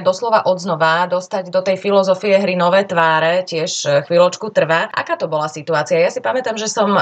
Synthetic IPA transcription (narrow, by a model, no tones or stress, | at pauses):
d̪ɔslɔʋaʔɔd̪znɔʋad̪ɔst̪aɟd̪ɔt̪ɛjfilɔzɔfiɛɦɾinɔʋɛːt̪ʋaːɾɛcɪɛʃxʋilɔt͡ʃkut̪r̩ʋaʔa̰kaːt̪ɔbɔlasit̪uaːt͡siajasipamɛt̪amʒɛsɔm